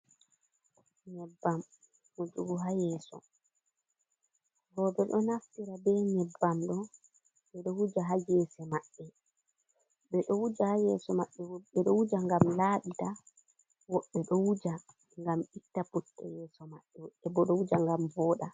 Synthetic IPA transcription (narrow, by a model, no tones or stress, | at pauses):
nɛbːam | ʔɔd͡ʒuɡuɦajɛːsɔ̰ | ɡɔdɔɗɔnaftiɾabɛnɛbːamɗɔ | ɓɛɗɔwud͡ʒaɦajɛːsɛmaɓːɛ | ɓɛɗɔwud͡ʒahajɛ̰ːsɔmaɓːɛɓɛɗɔwud͡ʒaŋɡamlaːɓita | wɔɓːɛɗɔwud͡ʒa | ŋɡamitːaputːɛ̰jɛːsɔmaɓːɛɛbɔɗɔwud͡ʒaŋɡamvɔːɗa